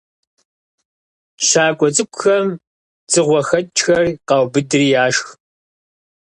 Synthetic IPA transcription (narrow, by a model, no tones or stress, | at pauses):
ɕaːkʷʼɔt͡sʼɨkʷʼxɐm | t͡sʼɨʁʷɔxɐtt͡ʃʼxɐrqɑwbɨdɨriːjaːʃx